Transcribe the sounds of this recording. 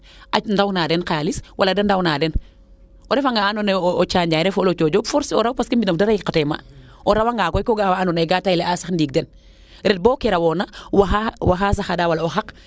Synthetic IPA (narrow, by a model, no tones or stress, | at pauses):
ʔandawnaːdɛnqaliswʔaladɐndawnadɛn | oɾɛfaŋɡaanɔneot͡ʃaːɲɟaːɾɛfolot͡ʃoːɟofɔɾso̰ɾawpaskimbinɐfdaɾajkatɛma̰ | ʔoɾawaŋɡakɔjkoɡawaanɔnjɡatajleasaxndiːɡ̚dɛn | ɾɛt̚bɔːkɛɾawɔnawaawaɦas̬axadaːwalaoxak